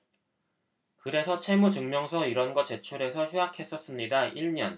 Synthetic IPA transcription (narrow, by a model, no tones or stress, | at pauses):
kɯɾe̞sʰʌt͡ɕʰe̞mut͡ɕɯŋmjʌŋsʰʌiɾʌnɡʌt͡ɕe̞t͡ɕʰuɾe̞sʰʌçjuakʰe̞s͈ʌs͈ɯmɲidaiɭɲʌn